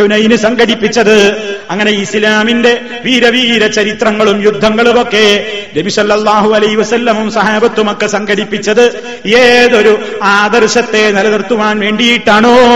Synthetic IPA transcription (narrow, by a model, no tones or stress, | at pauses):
unɐjinɨsɐŋɡʱɐɽipːit͡ɕːɐðɨɐŋːɐne̞islaːminde̞ | ʋiːɾɐʋiːɾɐt͡ɕɐɾit̪rɐŋːɐɭumjud̪ʱːɐŋːɐɭumo̞kːe̞nɐbisɐlːɐlˠːaːɦuɐlɐjhiʋɐsɐlːɐmumsɐɦaːbɐt̪ːumo̞kːe̞sɐŋɡʱɐɽipːit͡ɕːɐðɨ | eːðo̞ɾuaːd̪ɐrɕɐt̪ːe̞nɐlɐðɐrt̪ːuʋaːnʋe̞ːɳɖijiʈːaːɳo